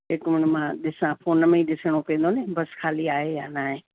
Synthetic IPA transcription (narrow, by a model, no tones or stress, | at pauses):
ɪkmɪɽ̃mãɗɪsãpʰoːnəmẽĩɗɪsəɽ̃opẽːnd̪oːnẽbɐskʰaːliaːɦejãnaːɦẽː